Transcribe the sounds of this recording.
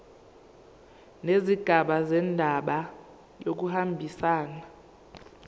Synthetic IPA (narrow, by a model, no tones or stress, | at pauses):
neziɡ̥ʱaɓazɛndʱaɓa | jok̬uhambʱisaːna